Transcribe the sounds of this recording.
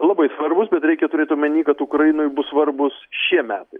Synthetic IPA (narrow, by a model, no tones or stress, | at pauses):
lˠɐbɐɪsʋɐrbʊsbʲɛt̪ɾʲɛɪkʲɛt̪ʊɾʲeːt̪ʲɐmʲɛnʲiːkɐt̪ukɾɐjɪnoːjbʊssʋɐrbʊsʃʲiɛmʲæːt̪ɐɪ